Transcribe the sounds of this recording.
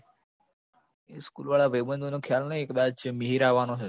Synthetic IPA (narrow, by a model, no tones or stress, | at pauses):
eskuːlʋaɭaʋəjbənd̪ʱonokʰjalnəieːkd̪at͡ʃməɦiɾaʋanot͡ʃʰe